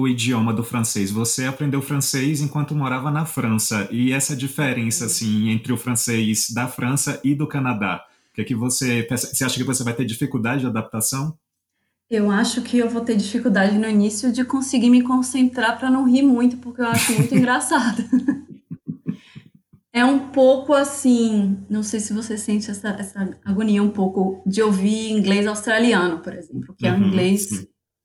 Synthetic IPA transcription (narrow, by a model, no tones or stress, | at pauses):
ʊid͡ʒiomɐd̪ʊfɾɐ̃sejzvoseapɾẽnd̪ewfɾɐ̃sejzẽkwɐ̃nt̪ʊmoɾavɐnɐfɾɐ̃sɐʔɪɛsɐd͡ʒifeɾẽsɐasĩẽnt̪ɾɪʊfɾɐ̃sejzd̪ɐfɾʔɐ̃sɐʔɪd̪ʊkɐnad̪a̰ | keɛkɪvosepɛsɐseaʃɐkɪvosevajt̪eɾd͡ʒifikud̪ad͡ʒɪd͡ʒɪad̪ap̚t̪asɐ̃w̃ | ewaʃʊkʰɪewvot̪eɾd͡ʒifikuwd̪ad͡ʒɪnʊinisjʊd͡ʒɪkõsɪɡiɾmɪkõsẽnt̪ɾaɾpɾɐnɐ̃w̃ɦiɾmũj̃t̪ʊpʊɾkeewaʃʊmũj̃t̪ʊiĩŋɡɾasad̪ɐ | ɛũpowkʊasĩnɐ̃w̃sejsɪvosesẽnt͡ʃɪɛsɐʔɛsɐaɡõniɐũpowkʊd͡ʒɪowviĩŋɡlejzawst̪ɾaliɐ̃nʊpoɾezẽmplʊkɪɛw̃ĩŋɡles